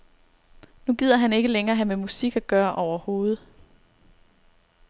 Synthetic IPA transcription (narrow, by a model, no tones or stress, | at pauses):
nuɡ̥ið̞̰ˠɐɦæne̝ɡ̥əleŋɐːɦæmemusiɡ̥æɡ̥ɶːɐʔɒʊ̰ɐho̝ːð̞̩ˠ